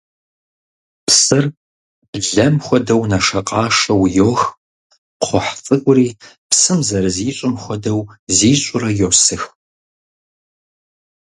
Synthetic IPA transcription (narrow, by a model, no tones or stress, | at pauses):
psɨr | b̥ɮɐmxʷɔdɐwnɐʂɐqʼɑːʂɐwjoːx | qʰʷɔħfʼɨɡʷʼʊɾiː | psɨmzɐɾɨziːɕʼɪmxʷɔdɐwziːɕʼʊrɐjosɨx